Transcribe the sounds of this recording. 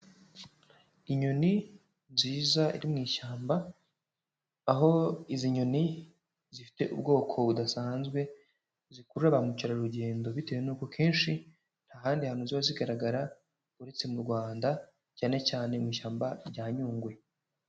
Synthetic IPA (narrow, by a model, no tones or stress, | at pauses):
iɲo̞ni | nziːzaḭɾimŋiːʃaːmba | ɦo̞iziɲo̞ni | zifi̥te̞̰ʔṵb̚ɡo̞ːkʰo̞βudasaːnzɡwe̞ | zikuɾuɾaβamuciɾaɾuɟe̞ːndo̞βite̞wenuːko̞kʰe̞ːnʃi | n̥haːɦaːndihanuziβaziɡaɾaɡaɾa | uɾe̞t͡se̞muɾɡwaːnda | caːne̞caːne̞miːʃaːmbaɾɟaːɲuːŋɡwe